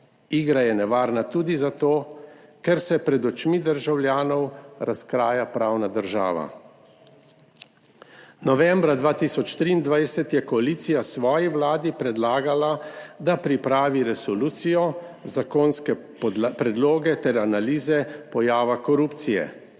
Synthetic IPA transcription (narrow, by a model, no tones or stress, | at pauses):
iːɡɾajɛnɛʋaːɾnat̪uːd̪izat̪oːkɛɾsɛpɾɛd̪ɔt͡ʃmid̪əɾʒawljaːnɔwɾaskɾaːjapɾaːwnad̪əɾʒa̰ːʋa̰ | nɔʋɛ̃mbɾad̪ʋaːt̪isɔt͡ʃt̪ɾiːnd̪ʋajsɛt̪jɛkɔaliːt̪sijasʋɔːjiʋlaːd̪ipɾɛd̪laːɡalad̪apɾipɾaːʋiɾɛsɔluːt̪sijɔzakonskɛ | pɾɛd̪loːɡɛt̪ɛɾanaliːzɛpɔjaːʋakɔɾuːpt̪sijɛ̰